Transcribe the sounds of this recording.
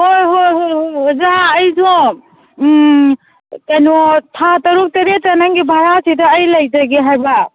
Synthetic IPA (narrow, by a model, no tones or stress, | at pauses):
hojɦojɦojzaːjzɔ | kajnɔtʰatɐɾuk̚teɾetanaŋɡibʱaɾasidɐːjlɐjzɐɡiɦajba